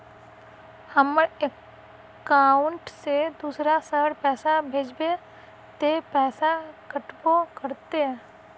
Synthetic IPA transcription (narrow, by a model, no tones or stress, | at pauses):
həməɽekː | aːʊɳʈsed̪uːsɾasəɽpɛːsabʱeːd͡ʒbe | t̪epɛːsakəʈbokəɾt̪eɦɛ̃ː